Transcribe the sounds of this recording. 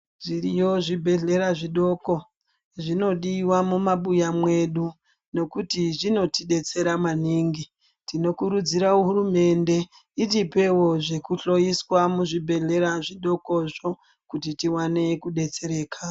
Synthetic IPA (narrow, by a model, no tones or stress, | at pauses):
ʐirijo̞ʐibʱe̞ɮe̞ɾaʐiɗo̞ːko̞ | ʐino̞ɗiwamumaɓujamwe̞ɗu | no̞kutiʐino̞tiɗe̞t͡se̞ɾamaniːŋɡi | tino̞kuɾud͡ziɾauɦuɾume̞nde̞ | itipe̞wo̞ʐe̞kuɬo̞jiswamuʐibʱe̞ɮe̞ɾaʐiɗo̞ko̞ʐo̞ | kutitiwane̞kuɗe̞t͡seɾe̞ːkʰa